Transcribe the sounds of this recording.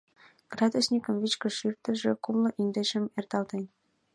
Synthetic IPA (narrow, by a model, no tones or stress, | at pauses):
ɡ̥rɑd̪osʲnʲikə̆mvit͡ɕkə̆ʃyrt̪ə̆ʒĕkumlɤ̆ʔind̪ĕʃə̆mert̪ɑlt̪enʲ